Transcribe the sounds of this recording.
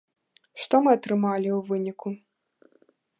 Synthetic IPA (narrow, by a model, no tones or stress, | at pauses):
ʂt̪ɔmɨɐt̪ɾɨmalʲiwvɨnʲikʰu